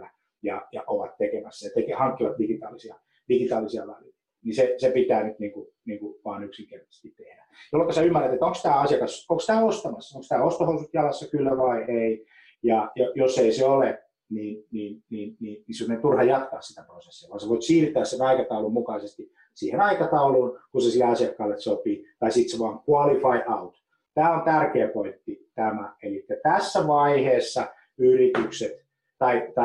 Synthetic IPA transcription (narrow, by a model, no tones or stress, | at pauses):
æ | jɑjɑ̰ʔoʋɑt̪t̪ekemæsːɑjɑt̪ekehɑŋkːilɑt̪diɡ̥it̪ɑːlisiɑ | d̥iɡit̪ɑːlisiɑ̰lɑli | nisesepit̪æːnyt̪niːŋku | niːŋkuʋɑːnyksiŋkert̪ɑ̥se̥st̪it̪t̪ehdæjolːekɑsæymːæræt̪et̪oŋkst̪æːɑsijɑkɑsoŋkst̪æːost̪ɑmɑsːɑoŋkst̪æːost̪ohousut̪jɑlɑsːɑkylːæʋɑiei | jɑjɑjosːeiseole | niːnniːnniːnniːnnisemːŏnent̪urhɑjɑt̪kɑːssit̪æprosesːiɑʋɑːnseʋoit̪siːrt̪ːˑæːssenɑikɑt̪ɑulummukɑisest̪i | siːhenɑikɑt̪ɑuluːnkusesilːeɑsiɑkːɑːlːet̪sopit̪ɑisit̪seʋɑːŋkuɑlifɑiʔɑut̪ | t̪æːont̪ærkeːpoit̪ːit̪æmæelikːæt̪æsːæʋɑiheːsːɑ | yrit̪ykset̪ | t̪ɑit̪ɑ